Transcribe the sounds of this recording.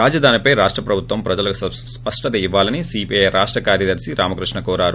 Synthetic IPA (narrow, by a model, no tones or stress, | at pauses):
aːd͡ʒɐd̪ʱaːnipɐjɾaːʂʈɾɐpɾɐbʱut̪ʋɐmpɾɐd͡ʒɐlɐkuɐspɐʂʈɐt̪ɐiʋːaːlɐnisiːpijejɾʔaːʂʈɾɐkaːɾjɐd̪ɐɾsiɾʔaːmɐkɾiʂɳɐkɔːɾaːɾu